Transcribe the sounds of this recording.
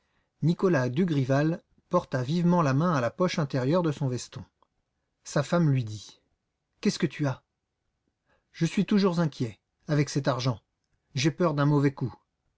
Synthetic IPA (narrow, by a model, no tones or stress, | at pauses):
nikɔlad̪yɡʁival | pɔʁt̪avivmɑ̃lamɛ̃alapɔʃɛ̃t̪ɛʁjœʁd̪əsɔ̃vɛst̪ɔ̃ | safamlɥid̪i | kʲɛskət̪ʰya | ʒ̥əsɥit̪uʒuʁzɛ̃kʲjɛ | avɛksɛt̪aʁʒɑ̃ | ʒɛpœʁd̪ɛ̃mɔvɛku